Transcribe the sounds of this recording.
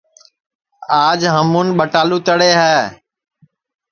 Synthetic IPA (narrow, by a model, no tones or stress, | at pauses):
aːd͡ʒɦəmuːnɓəʈaːluːt̪əɽeːɦɛː